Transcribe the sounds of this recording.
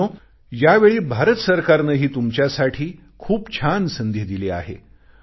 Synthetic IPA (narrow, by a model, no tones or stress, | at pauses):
o | jaʋeɭiːbʱaɾət̪səɾkaɾnəɦiːt̪umt͡ɕjasaʈʰiː | kʰuːpt͡ɕʰansənd̪ʱid̪ilea̰ɦḛ